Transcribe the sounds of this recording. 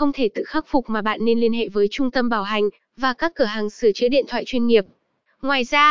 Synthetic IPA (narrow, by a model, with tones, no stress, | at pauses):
xə˧wŋ͡mt̪ʰe˧˩t̪ɨ̰˧˨xaː˦˥k̚fʊ˨˩k͡p̚maː˨˩ɓa̰ː˧˨nːe˧nli˧ənɦḛ˧˨vəː˨˦jt͡ɕʊ˧ŋ͡mt̪ə˧mɓaː˧˩wɦa˨˩jŋ̟ | vaː˨˩kaː˦˥kːɨː˧˩ɦaː˨˩ŋsɨ˧˩ət͡ɕɨ˨˦ɗḭ˧˨ənt̪ʰwa̰ː˧˨jt͡ɕwi˧nŋi˨˩əp̚ | ŋwaː˨˩jzaː˧